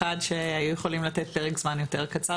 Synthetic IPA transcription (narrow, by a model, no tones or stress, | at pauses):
adʃehajujeχo̞limlatet̚beʁeɡz̥manjote̞ʁkat͡sa